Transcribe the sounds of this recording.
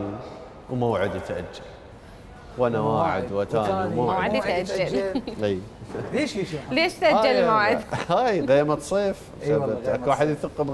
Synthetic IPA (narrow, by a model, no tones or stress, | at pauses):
wmawʕɪd̪jɪt̪ʔa̰d͡ʒːal | wʔanawaːʕɪ̰d̪wat̪aːnmawaʕɪd̪jt̪ʔad͡ʒːalʔijleleːʃt̪ʔad͡ʒːalmawʕɪd̪hajɣeːɾmat̪sˤiːf | θabat̪ʔakwaːħəd̪jθɨqːb